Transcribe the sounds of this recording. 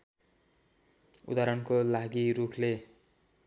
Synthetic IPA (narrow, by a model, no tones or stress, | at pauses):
ṵd̪aɾʌnkolaɡiɾukʰle